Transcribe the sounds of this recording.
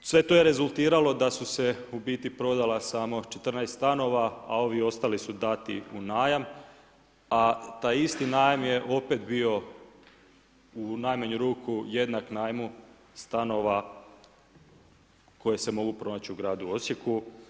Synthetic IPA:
sʋe̞t̪o̞jeɾe̞zulˠt̪iːɾalo̞d̪asuse̞ubiːt̪ipɾo̞d̪alasaːmo̞t͡ʃe̞t̪r̩najst̪t̪ano̞ʋaa̰o̞ʋio̞st̪alisud̪at̪ḭunaːjam | at̪aːjist̪inaːjamje̞ʔo̞pe̞t̪bio̞ | unaːjmaɲuɾuːkʰuje̞d̪naknaːjmu | st̪ano̞ʋa | ko̞jese̞mo̞ɡupɾo̞nat͡ɕiuɡɾaːd̪uo̞sje̞ku

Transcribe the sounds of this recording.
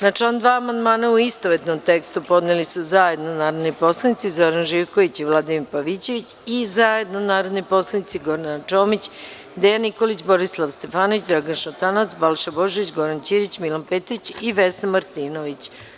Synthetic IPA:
nat͡ʂaond̪ʋaːmand̪maːnauist̪oʋet̪nomt̪e̞kst̪upo̞d̪nelisuzaje̞d̪nonaːɾod̪nojpo̞slˠanit̪sizoɾanʒiʋkoʋit͡ɕiʋlˠad̪imiɾpaʋit͡ɕe̞ʋit͡ɕizaje̞d̪nonaːɾod̪nojpo̞slˠanit̪iɡo̞ɾd̪anat͡ʃoːmit͡ɕ | d̪ejaniko̞lit͡ɕbo̞ɾislˠaʋst̪e̞faːnoʋit͡ɕd̪ɾaɡanʃot̪anat̪sbalˠʃabo̞ʒeʋit͡ɕɡo̞ɾant͡ɕiɾit͡ɕmilanpet̪ɾit͡ɕiʋesnamaɾt̪iːnoʋit͡ɕ

